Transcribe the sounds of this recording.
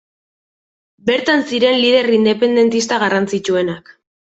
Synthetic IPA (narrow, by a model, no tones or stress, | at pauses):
be̞ɾt̪ansiɾe̞nliðe̞rind̪e̞pe̞nd̪e̞nt̪ist̪aɣarant͡sit͡ʃue̞nak